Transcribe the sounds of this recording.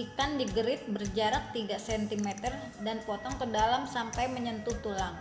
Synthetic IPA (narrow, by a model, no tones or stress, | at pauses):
ikandiɡəɾɪt̪̚bərd͡ʒaɾak̚t̪iɡasɛnt̪imɛt̪ər | danpɔt̪ɔŋkədalamsampajməɲənt̪ut̪ulaŋ